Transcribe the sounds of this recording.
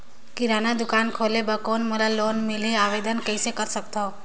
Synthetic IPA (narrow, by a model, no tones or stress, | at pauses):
kiɾanad̪ukankʰolebakonməlalonmileaβed̪ənkəjsekəɾsək̚t̪ʰo